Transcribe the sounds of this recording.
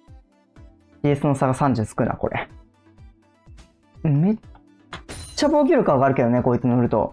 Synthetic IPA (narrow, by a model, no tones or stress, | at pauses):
iesɨno̞saɡasãɲd͡ʑɨsɨ̥kɯ̟na̰ko̞ɾʔḛ | me̞ | t͡ɕːabo̞ːkʲiɾɯ̟kaβaɡaːɾɯ̟ke̞d̪o̞neko̞ːit͡sɨnoɾɯ̟t̪o̞̰